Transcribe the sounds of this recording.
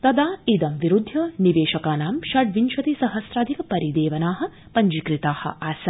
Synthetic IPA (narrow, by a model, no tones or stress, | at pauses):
t̪ɐd̪aːid̪ɐmʋiɾud̪ʱːɐniʋeːʃɐkaːnaːmʃɐɖʋinʃɐt̪isɐɦɐsɾaːd̪ʱikɐpɐɾid̪eːʋɐnaːɦɐ̆ | pɐɲd͡ʒikɾit̪aːhɐ̰ʔaːsɐ